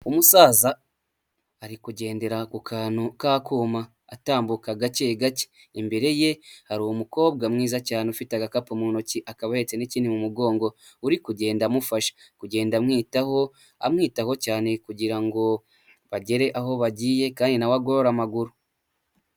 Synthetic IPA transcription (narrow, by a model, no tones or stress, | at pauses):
umusaːzaː | ɾikuɟe̞ːnde̞ɾakukʰaːnhukaːkuːmaː | taːmbukaɡaceɡace̥ | imbe̞ɾe̞je̞haɾuwomuko̞ːb̚ɡamŋiːzacaːneufitaɡakapumuno̞ciʔakaβahe̞t͡se̞niciːnimumuɡo̞ːŋɡo̞ | uɾikuɟe̞ːndamufaʃḁ | kuɟe̞ːndamŋiːtaho̞ | a̰mŋiːtaho̞caːne̞kuɟiɾaŋɡo̞ | βaɟe̞ɾe̞ʔaɦo̞βaɟiːje̞kaːndinawaɡoɾoɾamaɡuɾu